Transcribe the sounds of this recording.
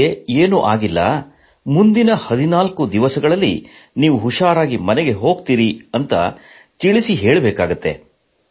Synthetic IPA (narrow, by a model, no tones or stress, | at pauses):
eeːnuʔaːɡilːɐ̰ | mund̪inɐhɐd̪inaːlkud̪iʋɐsɐɡɐɭɐlːḭ | niːʋuɦuʂaːɾaːɡimɐnɛɡe̞ɦo̞ːɡt̪iːɾiɐnt̪ɐ̰ | t̪iɭisiɦeːɭbɛːkaːɡut̪ːe̞̰